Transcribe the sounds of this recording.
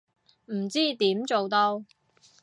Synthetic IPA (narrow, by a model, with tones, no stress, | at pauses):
m̩˨˩t͡siː˥t̪iː˨˥mt͡so˨wt̪o˧w